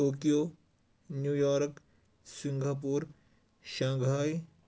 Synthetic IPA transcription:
oːkijoː | njuːjɔːɾk | sɪ̃ŋɡʱap̬uːɾ | ʃãːŋɡʱaːj

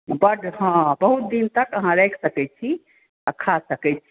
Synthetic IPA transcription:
bəʈɦãbəɦut̪̚d̪int̪əkəɦãɾɛkʰsəkɛt͡ʃʰi | əkʰasəkɛt͡ʃʰi

